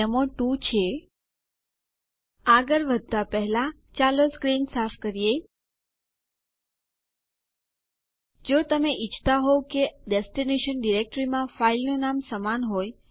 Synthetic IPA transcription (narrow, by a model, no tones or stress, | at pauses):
emoʈut͡ʃʰe | aɡəɾʋəd̪ʱːapəɦlã | t͡ʃaloskɾinsafkəɾije | d͡ʒot̪əmeʔit͡ʃʰt̪aɦokeɖesʈineʃənɖiɾek̚ʈɾimãfailnũnamsəmanɦoj